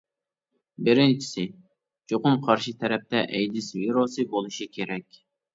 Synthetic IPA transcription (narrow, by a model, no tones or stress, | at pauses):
bɪɾɪnt͡ʃʰi̥sɪ | t͡ʃoqʊmqʰɑɾʃit̪ʰɛɾɛp̚t̪ʰɛʔɛjd̪ɪsviɾosɨbolˠuʃikʲʰeɾɛkʲ